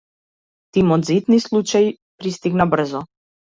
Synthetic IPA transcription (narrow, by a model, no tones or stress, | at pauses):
t̪imɔd̪zit̪nislˠut͡ʃaj | pɾist̪iɡnabr̩zɔ